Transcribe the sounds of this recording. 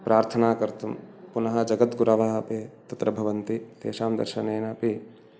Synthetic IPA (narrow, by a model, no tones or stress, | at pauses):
pɾʔaːɾt̪ʰɐnaːkɐɾt̪ɐmpunɐɦɐ̆d͡ʒɐɡɐt̪ɡuɾɐʋɐɦɐpeːt̪ɐt̪ɾɐbʱɐʋɐnt̪it̪eːʃaːmd̪ɐ̰ɾʃɐneːnɐpi